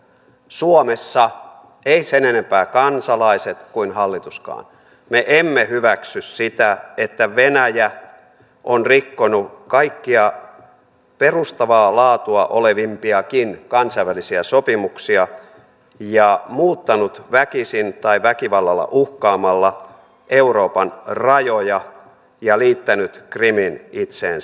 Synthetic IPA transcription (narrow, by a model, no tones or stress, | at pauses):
suomesːɑ | eisenenempæːkɑnsɑlɑiset̪kuinhɑlːit̪uskɑ̰ːn | meʔemːehyʋæksyssit̪æet̪ːæʋenæjæ | ʔonrikːonukɑikːiɑ | perust̪ɑʋɑːlɑːt̪uɑʔoleʋimpiɑkinkɑnsɑiʋælisiæsopimuksiɑ | jɑmuːt̪ːɑnut̪ʋækisint̪ɑiʋækiʋɑlːɑlːɑ̰ʔuhkɑːmɑlːɑ | ʔeuroːpɑnrɑjojɑ | jɑliːt̪ːænyt̪kriminit̪sḛːns